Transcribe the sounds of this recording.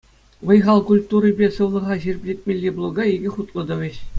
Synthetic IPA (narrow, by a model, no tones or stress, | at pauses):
ʋɤ̆jʁɑlˠkulʲt̪uɾɯbʲesɯ̆ʋlˠɤ̆ʁɑʑirʲbʲlʲetʲmʲelʲːeblˠoɡɑiɡʲɘ̆χut̪lˠɤ̆d̪ɤ̆ʋʲɘ̆ɕ